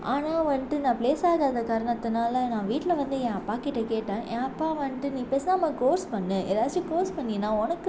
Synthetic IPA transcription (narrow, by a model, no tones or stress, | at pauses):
aːnaːʋɐɳʈɯnãːpleːsaːðaːðɐkːaːɾɐɳɐt̪ːɯnaːlɐnãːʋiːʈːlɐʋɐnd̪ɯɛ̃ːɐpːaːkɪʈːɐkeːʈːãːʔẽːɐpːaːʋɐɳɪʈɯnĩːpeːsnaːmːãkoːɾspɐɳːɯ̃ʔɛlːaːɾt͡ʃːɯ̃koːɾspɐɳːɪnãːɔnɐkːɯ